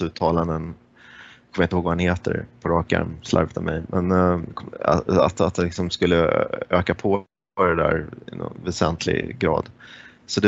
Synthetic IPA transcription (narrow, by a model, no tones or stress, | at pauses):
ʉ̟ːt̪ʰɑːland̪ən | kʰɔməjɪnəhoːɡvahanheːt̪ə̰ɾpʰɔɾɑːkæ̰ɾmsla̰ɾvət̪ʰavmɛjmʔɛnkʰɔa̰a̰t̪at̪̚ɛlɪksɔmskɵlːəøːkapʰɔ | ɖɛd̪æ̰ːɾɪnɔ̰nvɛsɛnt̪ʰlɪ̰ɡɡɾɑːd̪ | sɔd̪ɛ